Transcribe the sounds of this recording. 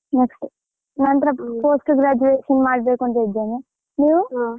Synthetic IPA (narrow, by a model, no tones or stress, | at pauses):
neksʈ | nɐnt̪ɾɐpoːsʈɡɾaːd͡ʒuʋeːʂɐŋɡmaːɽbeːkuɳʈed͡ʒeni | niːʋu